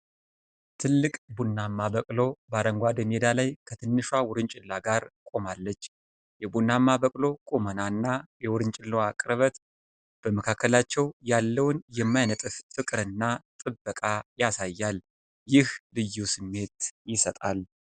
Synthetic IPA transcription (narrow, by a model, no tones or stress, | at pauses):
t̪ʰɨlːɨkʼbunːamːabəkʼlo̞baɾəŋɡʷad̪əned̪alajkʰət̪ʰɨnːɨʃawʊɾɨnt͡ʃʼɪlːaɡaɾkʼo̞malːət͡ʃː | jɛbunːamːabəkʼlo̞kʼomənanːajɛwʊɾɨnt͡ʃʼɪlːoakʼɾəβət̪ | b̥əməkʰakːəlat͡ʃːɛwjalːəwnjɛmːajnət̪ʼɨffɨkʼɾɨnːat̪ʼɨbːəkʼajasajːal | jɪhlɨjːusɨmːe̞t̪jɪsət̪ʼal